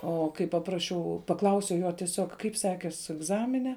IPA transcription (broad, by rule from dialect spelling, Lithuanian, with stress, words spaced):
ˈoː kɐɪ pɐˈprɑːʃʲɛʊ pɐˈklˠɐʊsʲɛʊ ˈjoː tʲiɛˈsʲoːk ˈkɐɪp ˈsʲæːkʲeːs ɛɡˈzɑːmʲɪnʲɛ